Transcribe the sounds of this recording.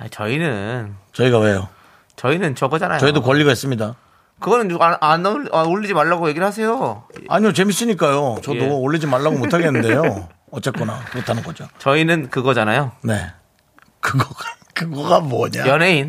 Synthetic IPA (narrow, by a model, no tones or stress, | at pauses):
at͡ɕʌinɯnt͡ɕʌiɡawe̞jo | t͡ɕʌinɯnt͡ɕʌɡʌd͡ʑanajoʌidokwʌʎːiɡaɦes͈ɯmɲida | kɯɡʌnɯnaanaoɭʎːid͡ʑimaɭːaɡoje̞ɡiɭhas̬ʰe̞joa̰ɲiot͡ɕe̞mis͈ɯɲik͈ajot͡ɕʌdoːɭːid͡ʑimaɭːaɡomotʰaɡenɯnd̪ejo | ʌt͡ɕ͈ʌk͈unamotʰanɯnɡʌd͡ʑot͡ɕʌinɯnkɯɡʌd͡ʑanajone̞ | kɯɡʌɡa | kɯɡʌɡamwʌɲajʌnɦe̞in